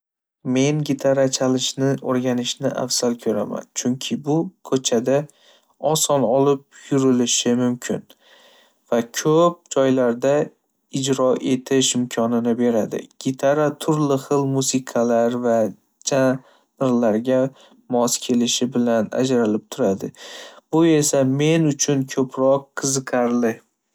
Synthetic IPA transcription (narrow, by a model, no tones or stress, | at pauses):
me̞nɡʲɪt̪ʰaɾat͡ʃʰalɪʃnɪoɾɡʲanɪʃnɪʔa̰fsalkʲʰɵɾa̰ma̰nt͡ʃʰʊŋkʲʰɪbʊkʰɵt͡ʃʰad̪a | ɒsɒnɒlɪp̚jʊɾɪlɪʃɪmʊmkʲʰɪn | vakʲʰɵp̚d͡ʒɒjlaɾd̪a | ɪd͡ʒɾɒʔe̞t̪ʰɪʃɪmkʰɒnɪnɪbe̞ɾad̪ɪ̰ɡ̥ʲit̪ʰaɾat̪ʰʊɾlɪχɨlˠmusɪqʰalaɾva | d͡ʒʰa | nɾlaɾɡʲa | mɒskʲʰe̞lɪʃɪbɪlana̰d͡ʒɾalɪp̚t̪ʰʊɾad̪ɪb̥ʊe̞same̞nʊt͡ʃʰʊnkʰɵpʰɾɒqʰːɨzɨqʰaɾlɪ